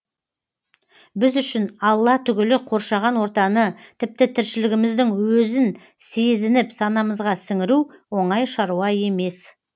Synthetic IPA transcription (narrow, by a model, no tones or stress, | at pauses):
bɪzʏʃɪnɑlˠːɑt̪ʰʏɡʲɪlɪqʰo̞ɾʃɑʁɑnwo̞ɾt̪ɑnət̪ʰɪp̚t̪ɪt̪ʰɪɾʃɪlɪɡʲɪmɪzd̪ɪŋwɵzɪn | se̞zɪnɪpsɑnɑməzʁɑsɪŋɪɾuwo̞ɴɑjʃɑɾuɑe̞me̞s